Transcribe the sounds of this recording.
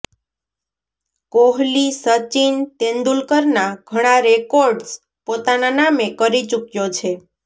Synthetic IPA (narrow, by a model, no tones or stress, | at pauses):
koɦlisət͡ʃint̪end̪ulkəɾnaɡʱəɽ̃aɾekoɾɖs | pot̪ananamekəɾit͡ʃukjot͡ʃʰe